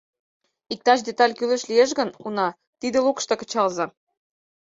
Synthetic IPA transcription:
ik̚t̪ɑʃd̪et̪ɑlʲkyleʃlijeʃ̬ɣə̆nunɑ | t̪id̪elokʃt̪ɤkə̆t͡ɕɑlzɑ

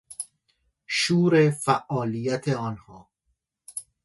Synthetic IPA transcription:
ʃuːɾefæʔɒːlijæt̪ʰeɒːnhɒː

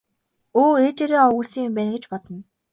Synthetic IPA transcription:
oːet͡ɕeːɾeːɔɣuːsiːŋjʊmpæːnɡĕt͡ɕpɔt̪ɞ̆n

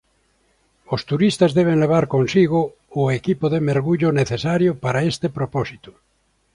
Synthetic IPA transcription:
ost̪uɾist̪azðeβ̞eŋleβ̞aɾkonsiɣ̞oː | ekipoðemeɾɣuʎoneθesaɾjopaɾaest̪epɾoposit̪u̥

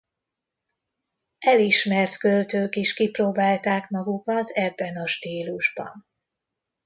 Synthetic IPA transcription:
ɛliʃmɛrt̪kølt̪øːkiʃkiproːbaːlt̪aːkmɒɡukɒt̪ʰɛbːɛnɒʃt̪iːluʒbɒ̰n

